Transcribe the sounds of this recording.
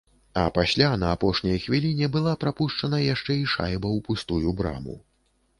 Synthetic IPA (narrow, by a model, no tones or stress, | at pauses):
ɐ̰pasʲlʲanɐːpɔʂnʲɐjxvʲilʲinʲɛbɨlˠapɾapuʂt͡ʂɐnɐjaʂt͡ʂɛiʂa̰jbɐwpust̪ujubɾa̰mṵ